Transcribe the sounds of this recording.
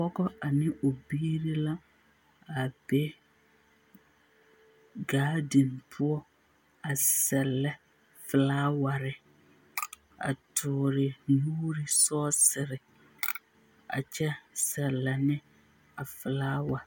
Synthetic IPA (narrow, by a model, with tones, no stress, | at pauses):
pɔ˦ɡɔ˦a˨nɪ˦ʔo˨biː˦ɾi˦la˦ | a˨bɛ˦ | ɡaː˨˦di˨mpʰʊ˦ɔ˦ | a˨sɛ˨lːɛ˦ | fɪ˨laː˦wa˨ɾɪ˨ | a̰˨tʰʊː˨ɾɪ˨muː˦ɾi˦sɔː˦sɪ˨ɾɪ˨ | a̰˨t͡ʃɛ˦sɛ˨lːɛ˨nɪ˦ | a˨fɪ˨laː˦wa˨